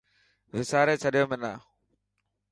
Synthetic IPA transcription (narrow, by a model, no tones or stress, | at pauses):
ʋɪsaːɾeːt͡ʃʰəɗɪjoːmẽna̰ː